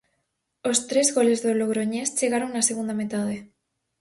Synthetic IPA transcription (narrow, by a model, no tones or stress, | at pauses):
ost̪ɾezɣolezðoloɣɾoɲest͡ʃeɣaɾoŋnaseɣund̪amet̪að̞e